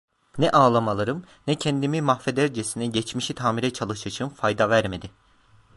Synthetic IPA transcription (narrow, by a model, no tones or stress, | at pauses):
nɛʔaːlˠamalˠaɾɯm | nɛcʰɛnd̪imimaxfed̪æɾd͡ʒesinɛɟɛt͡ʃmiʃit̪ʰaːmiɾɛt͡ʃʰalˠɯʃaʃʰɯmfajd̪avæɾme̞d̪ɪ